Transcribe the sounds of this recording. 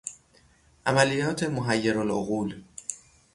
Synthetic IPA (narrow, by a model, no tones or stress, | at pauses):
ʔæmælijɒːt̪ʰe̞moɦæjːeɾoloɣuːl